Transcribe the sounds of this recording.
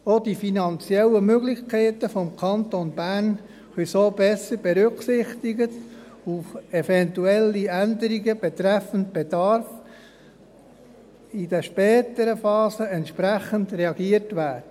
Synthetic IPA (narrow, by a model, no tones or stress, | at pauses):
od̥ifinɑnt͡sjɛləmøɡlɪχkʰɛɪtəfɔmkʰɑnt̪onbæɾn | χœsoːbɛsəɾb̥ɛɾʏksɪχt̪iɡət | ufɛfɛntuɛlːiænd̪əɾiɡəb̥ɛt̪ɾɛfənt̚b̥edɑɾf | id̥̪ɛʃpɛːtəɾəfɑːsəɛntʃpɾæχəndɾeɑɡiətʋæːdə